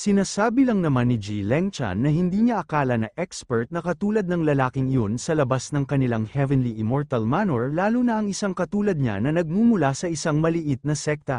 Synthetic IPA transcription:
sɪnaːsaːbɪlɐŋnɐmanːɪd͡ʒilɛŋt͡ʃɐ̰nːɐhɪnd̪iːɲɐʔɐkaːlɐnɐʔɛkspɛɹt̪̚nɐkɐt̪uːlɐd̪̚nɐŋlɐlaːkɪŋɪjonsɐlɐbasnɐŋkɐnɪlaŋhɛvɛnliʔɪmoɹt̪ɐlmanoɹlaːlʊnɐʔɐŋɪsaŋkɐt̪uːlɐd̪̚ɲa̰nɐnɐɡ̚mumʊlasɐʔɪsaŋmɐlɪʔɪt̪̚nɐsɛk̚t̪ɐ

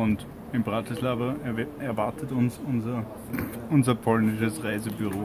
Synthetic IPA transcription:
ʊnt | ɪnbʁatɪslaːvɐɛɐvaɐtətʊnsʊnzɐ | ʔʊnzɐpʰɔlnɪʃəsʁaɪzəbyʁoː

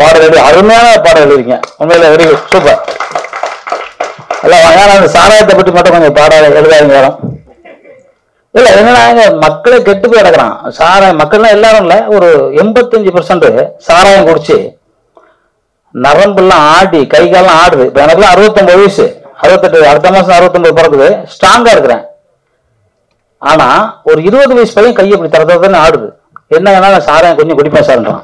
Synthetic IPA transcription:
paːɽɐʋɐɭiɐɾɯmɐjaːnɐpaːɽɐʋɛɭɪɪɾɯŋɡɐʊnmeɪlɐʋɐɾɪʋɯsuːpːɐɾ | ɛ̰lːaːʋãːŋɡaːnɐnd̪ɐsaːɾaːjɐt̪̬ːɐpːɐʈːimɐʈːʊ̃kɔɲd͡ʒɐpaːɽaːlɛɻɯðaːʋiŋɡɐɐːlɐ̃m | ɪlːɐɛnːɐːnːaːɐŋɡɐmɐkːɐɭekɛʈːɯpːoːɐɽɐkːɐɾã̰ːsaːɾaːjɐmɐkːɐɭlãːɛlːaːɾɯ̃mɪlːɐɔɾɯɛmbɐt̪ːɐɲd͡ʒɯpɐɾsɐɳɖɯsaːɾaːjɐmkɔɽɪt͡ʃːɯ̰ | nɐɾɐmbɯlːãːaːɽikɐɪɣɐːllãːaːɽɯðɯɪpːoɛnɐkːɯlːãːɐɾɯʋɐt̪ːɔmbɐðʋiːsɯ̰ɐɾɯʋɐt̪ːɯʈːɯɐɽɯt̪̬ːɐmaːsɐnd̪ːɐɾɯʋɐt̪ːɔmbɐðɯp̬ɔɾɐŋːɯðɯsʈɾaːŋɡaːɪɾɯkːɯɾḛ̃ː | aːnaːɔɾɯɪɾɯbɐðɯʋɐjspɐjɐ̃kɐjːɐp̬ːɐɽit̪ɐɾɐt̪ːɐðɐt̪ːaːneaːɽɯðɯ̰ | ɛnːɐɛnːaːnãːsaːɾaːjɐ̃ŋkɔɲd͡ʒɔ̃kʊɽɪpːaːsaːɾɐnɖɾã̰ː

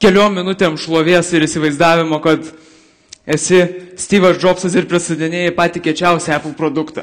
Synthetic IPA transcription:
kʲɛlʲoːmʲmʲɪnʊt̪ʲeːmʃlˠoːʋʲeɛsɪɾɪsʲɪʋɐɪzd̪ɑːʋʲɪmoːkɐt̪ | ɛsʲɪsʲt̪ʲiːʋɐsd͡ʒoːpsɐsɪɾpʲɾʲɪsɐd̪ʲɪnʲeːjɛpɑːt̪ʲiːkʲiɛt͡ʃʲɛʊsʲæːplˠpɾoːd̪ʊkt̪ɐ̰

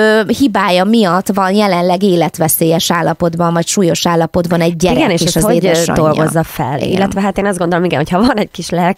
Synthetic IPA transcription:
hibaːjɒmijɒt̪ːʋɒnjɛlɛnlɛɡeːlɛt̪ʋɛseːjɛʃaːlːɒpo̞d̪bɒɱvɒcʃuːjo̞ʃaːlːɒpo̞d̪bɒnɛɟːɛiɾɛɡɛeːʃeːʃɒzeːdɛʃɒ̰d̪olːɡo̰zːɒffɛ̰lḭḭlːɛʋɛɦat̪eːnɒzd̪ɡo̞nd̪olomiŋɡɛ̰nhocʰhɒvɒnɛɟ̚kiʃlɛlk

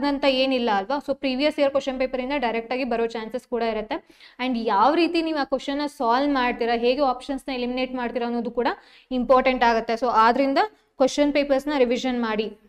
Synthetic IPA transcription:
d̪ɐnt̪ɐe̞ːnilːɐːlʋaso̞ːpɾiːʋijɐseɐɾkʋesʈːt͡ʃɐnpeːpɐɾind̪ɐɖɐjɾek̚ʈaːɡibɐɾoːt͡ʃaːnseskuːɽɐiɾɐt̪ːe̞ | ɐɳɖjaːʋɾiːt̪iniːʋuaːkʋesʈt͡ʃɐnːɐsaːlmaːɽt̪iːɾaɦe̞ːɡeaːpʂɐnsnɐelimine̞ːʈmaːɽt̪iːɾɐːnːoːd̪ukuːɽɐ | impoːɾʈeɳʈaːɡɐt̪ːe̞so̞ːʔaːd̪ɐɾind̪ɐ | kʋest͡ʃɐnpeːpɐɾsnɐɾiʋiʃɐnmaːɽi

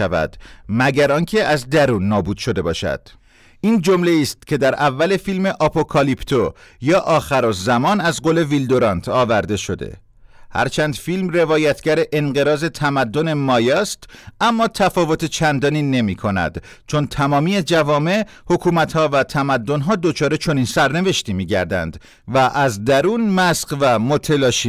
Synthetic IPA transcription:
ævæ̰d̪̥mæɟæɾɒːncʰe̞ʔæzd̪æɾuːnːɒːbuːd̪̥ʃo̞d̪e̞bɒ̰ːʃæ̰d̪̥ | iːnd͡ʒo̞mle̞iːst̪̚cʲʰe̞d̪æɾævːæle̞filme̞ʔɒpʰo̞kʰɒlipt̪ʰojɒːʔɒːxæɾozæmɒːnæzɢoːle̞vild̪oɾɒːnt̪ʰɒːvæɾd̪e̞ʃo̞d̪ḛ | hæ̰ɾt͡ʃʰænd̪filmre̞vɒːjæt̪ʰɡɟæɾeʔenɢe̞ɾɒːze̞t̪ʰæmæd̪ːo̞ne̞mɒːjɒːst̪æmːɒːt̪ʰæfɒːvo̞t̪ʰet͡ʃʰænd̪ɒːniːne̞miːkʰo̞næ̰d̪̥ | t͡ʃʰo̞nt̪ʰæmɒːmiːed͡ʒævɒːme̞ | hokʰuːmæt̪hɒːvæt̪ʰæmæd̪ːo̞nɦɒːd̪o̞t͡ʃʰɒːɾe̞t͡ʃʰo̞niːnsæɾne̞ve̞ʃt̪iːmiːɟæ̰ɾd̪æ̰nd̪̥ | væʔæzd̪æɾuːnmæsqvæmot̪ʰelɒːʃi

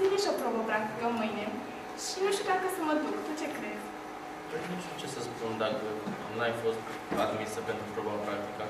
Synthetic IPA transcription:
neʃopɾobəpɾak̚t̪i̥kəmɨjne | ʃineʃut̪akəsəməd̪ukt̪ut͡ʃekɾez | p̪ɾed̪eʃut͡ʃesəspund̪akəonlajnfost̪ | ad̪misəpent̪ɾupɾobapɾak̚t̪ikə

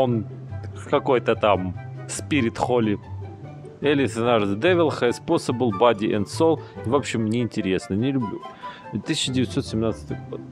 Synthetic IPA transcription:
on | kɐko̞jt̪ət̪amspʲiɾʲɪt̪xolʲɪ | ɛlʲɪsənard̪d̪ɛvʲɪlˠxəsposəbɨlˠbad̪ʲɪʔɛnt̪solˠvopɕːɪmnʲɪːnʲtʲɪɾʲe̞snənʲɪlʲʊblʲu | t̪ːɨsʲɪt͡ɕːədʲɪvʲɪt̪so̞t̪sʲɪmnat̪sɨ̥t̪ɨvɡo̰d̪

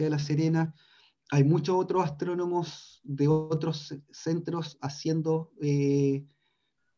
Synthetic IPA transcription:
aðelas̬eɾena | ajmut͡ʃosot̪ɾosast̪ɾo̞no̞mosðeot̪ɾosːe̞nt̪ɾosasje̞nd̪oe

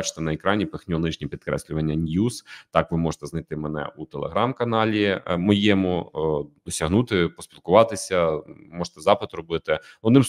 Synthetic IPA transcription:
ɑt͡ʃɪ̥t̪ɛnɐekɾɑnʲipexnʲɔnɪʒnʲipʲit̪kɾɛ̰sʲlʲʊʋɐnʲːɐnʲjuz̥t̪ɑkʋɪmɔʒe̥t̪ɛznɐjt̪ɪmɛnɛ̰ut̪elˠeɦɾɑmkɐnɑlʲimɔjemʊd̪ɔsʲɐɦnut̪ɪpɔspʲilˠkʊʋɑt̪ɪsʲɐmɔʒe̥t̪ɛzɑpɪt̪rɔbɪt̪ɪɔd̪nɪm

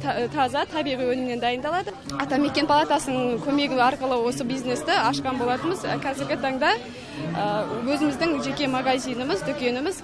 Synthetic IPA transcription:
t̪ʰɑzɑt̪ʰɑbijʁijwɵnɪmɪne̞nd̪ɑjənd̪ɑlˠɑd̪ə | ɑt̪ɑme̞kʲe̞npʰalˠɑt̪ɑsənəɴkʲʰɵme̞ɡʲɪɑɾqəlˠəwo̞səbijzne̞st̪ɪɑʃqɑnbolˠɑt̪əməz̰kʲʰæzɪɾɡʲɪt̪ʰɑɴd̪ɑ | əwɵzɪmɪzd̪ɪŋʒe̞kʲe̞maɡazijnəməzd̪ʏkʲe̞nɪmɪz

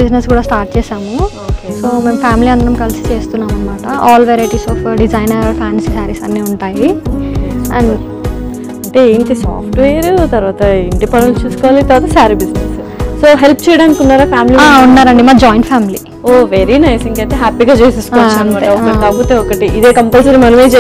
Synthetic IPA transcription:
bid͡ʒneskuːɽaːsʈaːɾʈ̚t͡ʃeːʃaːmuokesoːmeːmpʰaːmiliɐnd̪ɐnɐmkɐlisi̥t͡ʃe̞ːst̪unːaːmɐnːɐmaːʈɐʔaːlʋeɾɐjʈiːsɔːfɖid͡ʒɐjnɐɾpʰaːnssaːɾisɐnːeːuɳʈaːji | ɐ̰ɳ | ɐɳʈeeːɳʈisa̰ːpʰʈʋeːɾut̪ɐɾʋaːt̪ɐiɳʈipɐɽɐnt͡ʃuːsukɔːʋaːlit̪ɐɾʋaːt̪ɐsaːɾibid͡ʒnes | soːɦelp̚ʰt͡ʃɛjɐɽaːnikiunːaːɾaːpʰaːmiliaːunːaːɾɐɳɖimaːd͡ʒɔːjɳʈpʰaːmili | oːʋeɾinɐjsiŋkɐɳʈeɦaːpiːɡaːt͡ʃeːsesu̥koɐt͡ʃːanɐmaːeɐɔkːɐʈik̪aɡut̪eːɔkɐʈiʔid̪eːkɐmpɐlsɐɾimɐnɐmeːt͡ʃe

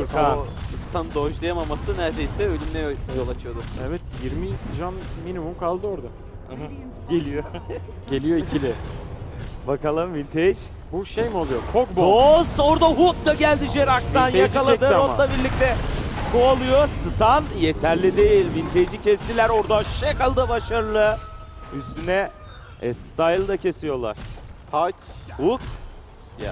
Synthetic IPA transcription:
jokaɯst̪ʰand̪oʒlˠajamamasɯnæɾd̪ejsɛølʲymnɛjojt̪ʰjo̞lˠat͡ʃʰɯjo̞d̪umɛvɛt̪jiɾmiʒanminimumkʰalˠd̪ɯoɾd̪a | ɟe̞lʲijo | ɟ̥elʲijo̞icʰilʲɛ | bakalˠɯmvint̪ʰed͡ʒ | buʃejmiolˠujot͡ʃʰok̚bosoɾd̪aɦut̪̚d̪aɟælʲd̪iʒeɾaksd̪anjakalˠad̪ɯɾonlˠabiɾlʲic̚t̪ɛkʰoalˠujosɯt̪ʰanje̞t̪ʰæɾlʲid̪e̞jilʲvint̪ʰed͡ʒicʰɛst̪ilʲæɾo̞ɾd̪aʃekalˠd̪ɯbaʃaɾɯlˠɯ | yst̪ynɛ | ɛst̪ʰajlˠd̪acʰe̞sijo̞lˠa̰ɾ̥pʰat͡ʃhut̪ | ja̰

